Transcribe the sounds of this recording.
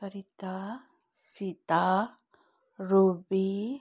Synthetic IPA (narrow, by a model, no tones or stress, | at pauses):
aɾit̪a | sit̪a | ɾubi